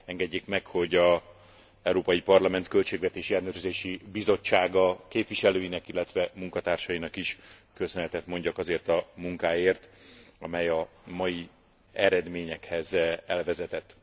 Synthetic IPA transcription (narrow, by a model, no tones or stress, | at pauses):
ɛŋɡɛɟːeːkmɛkho̞ɟɒ | ɛuɾoːpɒjipɒrlɒmɛnt̪kø̞lt͡ʃeːɡvɛt̪eːʃiɛlnøːɾøzeːʃibizo̞t͡ʃːaːɡɒkeːpviʃɛløːjinɛkilːɛt̪ʋɛmuŋkɒt̪aːrʃɒjinɒkiʃkøsønɛt̪ɛt̪mo̞ɲɟɒkɒzeːrt̪ɒmuŋkaːjeːrt̪ɒmɛjɒ | mɒji | ɛɾɛd̪meːɲɛkhɛzɛlvɛzɛt̪ɛt̪ː